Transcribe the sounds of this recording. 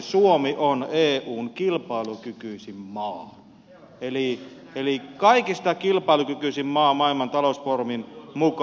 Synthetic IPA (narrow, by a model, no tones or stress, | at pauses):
suomiʔoneːʔuːŋkilpɑˑilukykyisimmɑːn | eli | elikɑikist̪ɑkilpɑˑilukykyˑsimmɑːmɑilmɑnt̪ɑlosporminmuk